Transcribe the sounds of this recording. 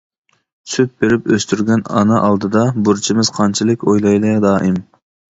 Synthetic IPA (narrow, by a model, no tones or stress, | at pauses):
syt̪̚beɾɪpøst̪yɾɡʲɛnɑ̰nɑʔɑlˠd̪ɨd̪ɑbuɾt͡ʃʰimɪz̥qʰɑnt͡ʃʰilˠɪkʲojlˠɑjd̪ɑd̪ɑːʔɪm